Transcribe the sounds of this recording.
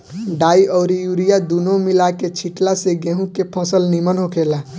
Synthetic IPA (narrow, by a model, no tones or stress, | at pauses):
ɖaːiʔɔːɾijuːɾijad̪uːnomɪlaket͡ʃʰiʈlaseɡẽɦũkepʰɔ̃ːsəlnimənɦokʰeːla